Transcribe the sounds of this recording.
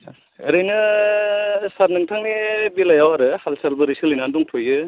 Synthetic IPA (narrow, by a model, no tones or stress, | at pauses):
ɯɾɯjnɯ | saɾnɯŋtʰaŋnibilajawaɾɯhalsalbɐɾisɯlijnanduŋtʰojɯ